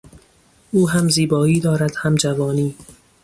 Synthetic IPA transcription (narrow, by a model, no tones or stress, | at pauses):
uːɦæmziːbɒːiːd̪ɒːɾæd̪̥hæmd͡ʒævɒːniː